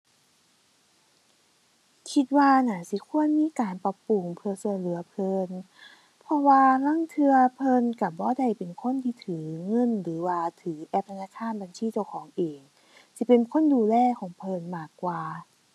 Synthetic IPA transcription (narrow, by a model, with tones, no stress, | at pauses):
kʰi˧t̪̚waː˧naː˨˩˦si˧˦kʰu˧˥˨ənmiː˧˥˨kaː˨˩npa˧pu˨˧˩ŋpʰɯ˧ɐsu˧˩əjlɯ˨˩˦ɐpʰɤː˧n | pʰɔ˧waː˧la˧˥˨ŋt̪ʰɯ˧ɐpʰɤ˧˨nka˧˩bɔː˧˦da˧˩jpe˨nkʰo˧˥˨nt̪ʰiː˧˩t̪ʰɯː˨˩˦ŋɤ˧˥˨nlɯː˩˦waː˧t̪ʰɯː˩˦ʔɛː˧˩p̚t̪ʰa˧naː˧˩kʰaː˧˥˨nba˨nsiː˧˥˨t͡ɕa˧əwkʰɔː˨˩˦ŋʔeː˨ŋ | si˧˦pe˨nkʰo˧˥˨nduː˧˩lɛː˧˩˨kʰɔː˨˦ŋpʰɤː˧˥˨nmaː˧˩kːwaː˧